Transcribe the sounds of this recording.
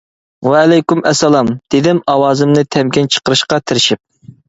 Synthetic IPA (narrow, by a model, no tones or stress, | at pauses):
wɛːlɛjkymɛsɛlˠɑmd̪̥ɪd̪ɪmɑwɑːzɨmnɨt̪ʰɛmkʲint͡ʃʰə̥qəɾɨʃqɑt̪ʰɪɾɪʃip̚